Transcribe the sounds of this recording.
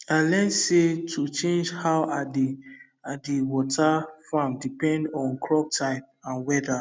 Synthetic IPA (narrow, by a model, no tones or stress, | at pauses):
ãlɛ̃nsetʰut͡ʃẽnd͡ʒhawad | adiwɔtʰafãmdipɛ̃ndɔ̃nkʰɹɔp̚tʰãɪ̃m | ãnwɛda